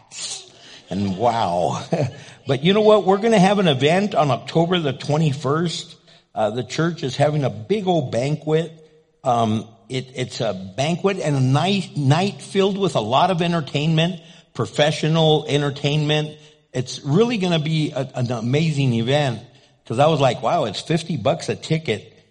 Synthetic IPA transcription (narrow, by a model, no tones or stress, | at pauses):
s | ɨ̃nwaʊ | b̥ʌt͡ʃ̚jɨnoʊwʌt̚wɪɹɡʌnɨɨvɨ̃nɨvɛ̃ntn̩ɑk̚tʰoʊbə˞ðɨtʰw̥ɛ̃ɾ̃ifɜ˞st | ðɨt͡ʃʰɜ˞t͡ʃɨz̥hævɪ̃ŋəbɪɡoʊl̚ˠbæ̃ŋkwɨt̚ | ʌ̃m | ɪɾɪtsəbæ̃ŋkwɨɾɨ̃nənaɪnaɪtfɪlˠd̚wəðəlɔɾʌvɛ̃ɾ̃ə˞tʰẽɪ̃nmɨ̃npʰɹ̥ɨfɛʃɨnl̩ˠɛ̃ɾ̃ə˞tʰẽɪ̃nmɨ̃nt̚ | ɨtsɹɪlˠiɡʌnɨbiɨɨ̃nəmeɪzɪ̃ŋɨvɛ̃nt̚ | kʰʌzaɪwʌzlaɪkwaʊɨtsfɪftibʌksɨtʰɪkɨt̚